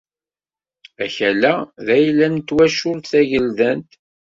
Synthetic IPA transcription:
æçælæðæjlːænt̪ːwæʃʊɾθæʝəlðənt̪

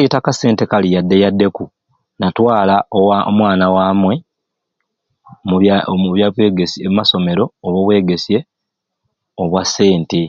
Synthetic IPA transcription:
itakase̞ːnte̞kalijadːejadːe̞ku | natwaːlaowao̰mwaːnawaːmwe̞ | muβjaβweɡesiemumaso̞me̞ɾo̞ːβoβwe̞ːɡe̞sje̞ | oβwasːe̞ːnte

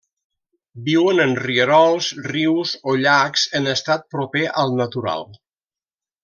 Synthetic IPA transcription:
biwənənriəɾɔlˠszriwzoʎakzənəst̪at̪̚pɾopeʔəlˠnət̪uɾa̰lˠ

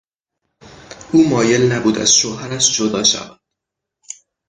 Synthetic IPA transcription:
ʔuːmɒːje̞lnæbuːd̪æ̰z̥ʃoːɦæɾæʃd͡ʒod̪ɒːʃæ̰væd̪̥

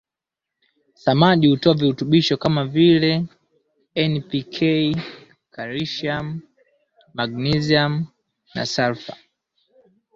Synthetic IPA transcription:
samaʄihutɔaviutuɓiʃɔkamavilɛ | ɛnpikʰɛi | kaɾiʃiamː | aɡniziam | na̰saɾfa

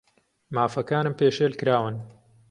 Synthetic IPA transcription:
maːfɐkaːnɨmpeːʃeːlkɨɾaːwɨn

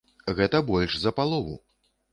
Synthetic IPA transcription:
ɣɛt̪ɐbɔlʲʂzɐpalˠɔvṵ

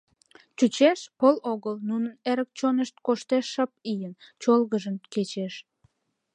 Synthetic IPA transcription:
t͡ɕut͡ɕeʃpəloɣəlnunəneɾək̚t͡ɕonəʃt̪̚koʃt̪eʃːəp̚ijənt͡ɕolɣəʒənket͡ɕeʃ

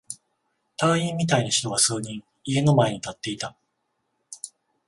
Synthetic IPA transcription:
t̪aːĩmːʲit̪ainaçi̥t̪o̞ɡasɨːɲ̟ĩŋ | ie̞no̞mae̞ɲ̟it̪at̪ːe̞it̪a

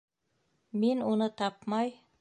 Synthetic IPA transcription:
minunɤt̪ɑpmɑj

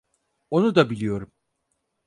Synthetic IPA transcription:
o̞nud̪abilʲijo̞ɾum

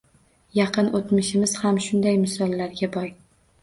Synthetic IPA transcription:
jɑqɨnʔot̪mɪʃɪmɪz̥hamʃʊnd̪ajmɪsɒlˠːaɾɡʲabɒj

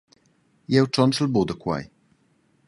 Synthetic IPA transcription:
jɛwʈ͡ʂɔnʈ͡ʂlbud̪əkwa̰j

